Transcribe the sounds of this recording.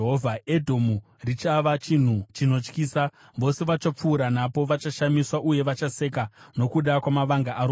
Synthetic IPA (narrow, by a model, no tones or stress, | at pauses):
ɦovʱae̞dʱomu | rit͡ʃaʋat͡ʃin̤ut͡ʃino̞t͡ʃkiːsa | ʋo̞se̞ʋat͡ʃap͡fuːɾanapo̞ʋat͡ʃaʃamiswaʔuje̞ʋat͡ʃase̞kano̞kuɗakwamaʋaŋɡaʔaɾo